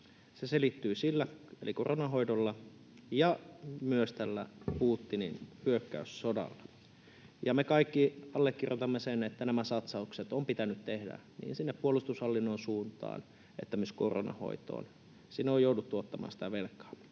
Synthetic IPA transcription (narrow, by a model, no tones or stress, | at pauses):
seselit̪ːyːsilːæḛliko̰ronɑɦoidolːɑ | jɑmyøst̪ælːæ̰puːt̪ːininpyøkːæyssodɑ̰lːɑ | jɑmekɑikːiɑlːekːirjot̪ɑmːesenet̪ːænæmæsɑt̪sɑukset̪ompit̪ænyt̪t̪ehdæ̰nḭːnsinːeppːuolust̪ushɑlːinːonsuːnt̪ɑ̰ːn | et̪ːæmysko̰ro̰nɑ̰ho̰it̪o̰ːn | sinːeojoudut̪ːuot̪ːɑmɑ̰ːnsi̥t̪æʋelkːˑɑ̥ː